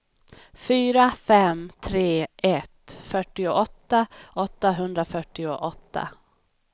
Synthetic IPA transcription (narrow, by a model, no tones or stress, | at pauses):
fyːɾafɛmt̪ʰɾeːʔɛt̪fœʈːɪʊʔɔt̪ːaʔɔt̪ːaɦɵnd̪ɾafœʈːɪʊʔɔt̪ːa̰